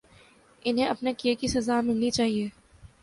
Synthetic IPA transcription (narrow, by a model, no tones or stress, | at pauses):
ɪnɦẽɐpnekiekisɐzaːmɪlnit͡ʃaːɦieː